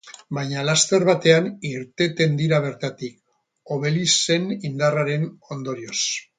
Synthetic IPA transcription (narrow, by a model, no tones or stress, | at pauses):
bajɲalast̪e̞ɾβat̪e̞aniɾt̪e̞t̪e̞nd̪iɾaβ̞e̞ɾt̪at̪ik | o̞βe̞lise̞nind̪araɾe̞no̞nd̪o̞ɾio̞s